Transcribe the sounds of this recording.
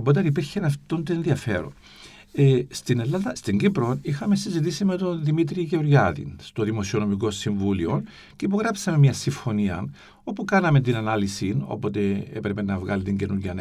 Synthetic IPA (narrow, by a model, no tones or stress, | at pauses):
opo̞t̪̬eɐnipiɾçenɐft̪ont̪ienðiɐfe̞̰ɾo̰n | est̪inelːɐnðɐst̪iɲɡipɾo̞nixɐme̞sizit̪isime̞t̪o̞nðimit̪ɾiʝeɾʝɐðḭnst̪o̞ðimo̞sio̞no̞miko̞siɱvulio | ceipo̞ɣɾɐpsɐme̞mɲɐsiɱfo̞niɐ̰n | o̞pukɐnɐment̪inɐnɐlisino̰po̞t̪e̞epɾe̞pe̞nɐvɣɐlit̪iɲɟe̞nuɾʝɐne